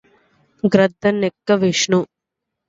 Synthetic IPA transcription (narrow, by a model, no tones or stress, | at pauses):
ɡɾɐd̪ʱːɐnekːɐʋiʂɳu